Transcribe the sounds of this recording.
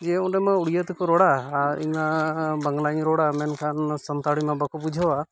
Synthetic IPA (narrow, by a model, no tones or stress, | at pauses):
d͡ʒɛunɖɛmauɽijat̪ikɔɾɔɽaɾḭɲmabəŋɡlaɲɾɔɽamɛnkʰansənt̪aɽimabəkɔpud͡ʒʱaa